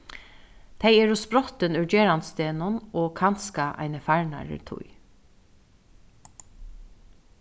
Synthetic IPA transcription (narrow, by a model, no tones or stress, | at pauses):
t̪ʰɛjɛːɾʊspɾɔt̪ənœd͡ʒeːɾanst̪eːnʊnɔːkʰanskaʔa̰jnəfæɹɳa̰ɹɪ̰ɾt̪ʰʊ̰j